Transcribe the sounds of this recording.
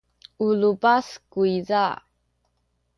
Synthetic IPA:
ulupaskuiza

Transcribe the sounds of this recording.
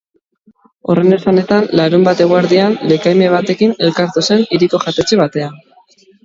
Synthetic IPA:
o̞̰re̞nesane̞t̪anlaɾumbat̪e̞ɣ̞oaɾðianle̞kajme̞β̞at̪e̞kine̞lkaɾt̪use̞niɾiko̞xat̪e̞t͡ʃeβat̪e̞a

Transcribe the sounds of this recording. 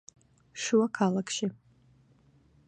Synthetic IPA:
ʃuwakʰalakʰʃɪ

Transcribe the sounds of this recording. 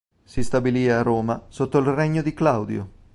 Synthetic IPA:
sist̪abiliːaroːmasot̪ːoilreɲːod̪iklawd̪jo̰

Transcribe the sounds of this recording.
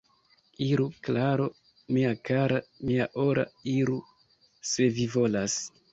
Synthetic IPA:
iɾuklaɾo | miakaɾamiaʔo̞ɾʔa̰iɾu | se̞vivo̞las

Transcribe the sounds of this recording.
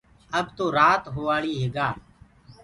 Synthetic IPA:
əbt̪oːɾaːt̪ɦoːʋaːɭiːɦeːɡaː

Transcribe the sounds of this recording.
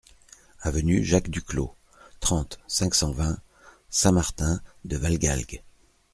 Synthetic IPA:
avənyʒakd̪yklo̰ | t̪χɑ̃t̪sɛ̃ksɑ̃vɛ̃ | sɛ̃maʁt̪ɛ̃d̪əvalɡʲa̰lɡ

